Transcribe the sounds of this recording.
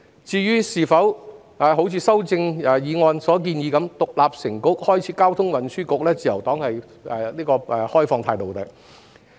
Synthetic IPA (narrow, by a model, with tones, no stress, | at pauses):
t͡siː˧jyː˥siː˨˩fɐ˨˥w | aː˨˧ɦo˨˥wt͡sʰiː˨˧sɐ˥wt͡sɪ˧ŋɛː˨˧jiː˨˧ŋɔː˧nsɔː˨˥k̬iː˧njiː˨˧kɐ˨˥mt̪ʊ˨k̚laː˨p̚sɪ˨˩ŋkʊ˥k̚hɔː˥jt͡sʰiː˨˥kaː˥wt̪ʰʊ˥ŋwɐ˨nsyː˥kʊ˨k̚lɛː˥t͡siː˨˩jɐ˨˩wt̪ɔː˨˥ŋhɐ˨j | ɛ˨˧liː˥kɔː˧ɛ˨˧hɔː˥jfɔː˧ŋt̪ʰaː˧jt̪o˨wt̪ɐ˨˩k